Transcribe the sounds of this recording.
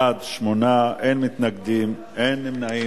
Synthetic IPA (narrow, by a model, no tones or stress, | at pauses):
ad̪ʃmonaʔenmit̪naɡd̪im | ʔenːimnai